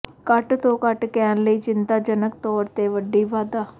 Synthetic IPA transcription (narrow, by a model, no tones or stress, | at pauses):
kəʈt̪õːkəʈkɛːnləiːt͡ʃɪnt̪aːd͡ʒənək̚t̪ɔːɾt̪eːʋəɖːiːʋaːd̪aː